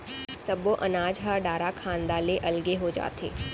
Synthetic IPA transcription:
sɐboʔɐnaːd͡ʒɦaɖaːɾakʰãːnd̪aːleʔɐlɡeɦod͡ʒa̰ːt̪ʰḛː

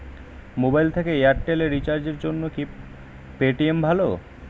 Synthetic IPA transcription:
mobajlt̪ʰekeeaɾʈeleɾːit͡ɕaɾd͡ʑeɾd͡ʑonːoki | peʈiembʱalo̰

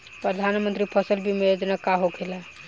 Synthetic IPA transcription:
pɾəd̪ʱanmənt̪ɾipʰəsəlbʱimejod͡ʒnakaɦokʰelɛ

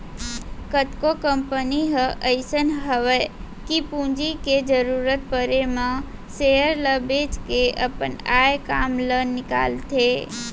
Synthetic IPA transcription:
kət̪kokəmpəniɦəʔəɪsənɦəʋə | kipũd͡ʒiked͡ʒəɾuɾət̪̚pəɾemã | sejəɾləbed͡ʒkeʔəpənajkaːmlənːɪka̰ːlt̪ʰe

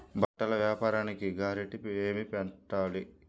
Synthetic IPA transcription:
bɐʈːɐlɐʋjaːpaːɾaːnikiɡaːɾiʈieːmipɛɳʈːaːli

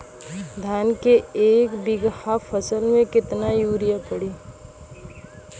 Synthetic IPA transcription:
d̪ʱaːnkeeːkbɪɡhafʰəsəlmẽkɪt̪najuːɾijapəɽiː

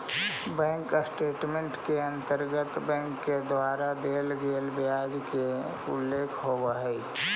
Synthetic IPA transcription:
bɛ̃ːŋksʈeːʈmẽɳʈkeə̃nt̪əɾɡət̪bɛ̃ːŋkːed̪waːɾad̪eːlɡeːlbjaːd͡ʒke | ʊlːeːkʰɦobaɦɛi

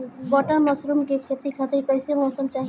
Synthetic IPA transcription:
pɔʈəɾmɔsɾumkekʰet̪ikʰaːt̪ɪɾkəɪsemɔːsəmt͡ʃaːɦi

